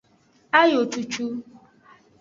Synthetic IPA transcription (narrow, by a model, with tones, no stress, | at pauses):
a˦jo˨t͡ʃu˨t͡ʃu˦